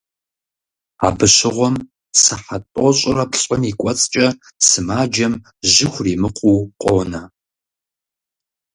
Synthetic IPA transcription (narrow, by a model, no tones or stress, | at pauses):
a̰ːbɨɕɪʁʷɔm | sɨħatʼɔɕʼɪrɐpʰɕʼɪmikʷʼɔt͡sʼt͡ʃʼɐ | sɨmaːd͡ʒɐm | ʑɪxʷriːmɨqʷʰuːqʷʼoːnɐ